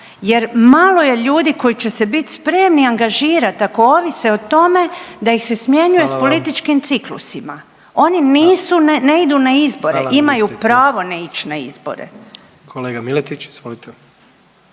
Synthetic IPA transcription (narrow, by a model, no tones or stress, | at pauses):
je̞ɾmalo̞je̞ʎuːd̪iko̞jit͡ɕe̞se̞bit̪ʲspɾe̞mniaŋɡaʒiːɾat̪ako̞oʋise̞ot̪o̞me̞d̪ajixse̞smje̞ɲuje̞spo̞lit̪it͡ʃkimt̪siklṵsima̰ | o̞niniːsuneid̪unaizbo̞ɾḛʔimajupɾaːʋo̞nait͡ʃnaḭzbo̞̰ɾḛ | kʰoleːɡamilet̪it͡ʃizʋolit̪e